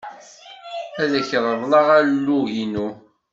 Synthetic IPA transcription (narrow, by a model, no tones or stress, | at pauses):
æðəçðˤəðˤlɑʁæɾlːuʝinu